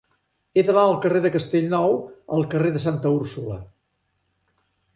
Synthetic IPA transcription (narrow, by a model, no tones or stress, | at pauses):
eðəβaəlˠkəreðəkəst̪eʎnɔwəlˠkəreðəs̬ant̪əuɾsulə̰